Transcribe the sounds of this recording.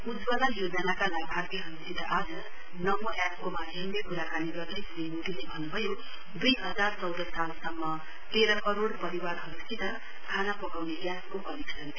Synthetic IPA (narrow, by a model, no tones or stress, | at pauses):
ud͡zbʌlajod͡zʌnakalaɡbʱart̪eɦʌɾusit̪ʌʔad͡zʌ | nʌmoʔap̚komad̪ʱembekuɾakaniɡʌrd̪ʌjsɾinuʈilebʱʌnːubʱʌjo | d̪ujɦʌd͡zart͡sʌwd̪ʌsalsʌmːʌ | t̪eɾʌkʌɾoɽpʌɾiwarɦʌɾusit̪ʌ | kʰanapʌkawneʔjaskopʌɾiksʌn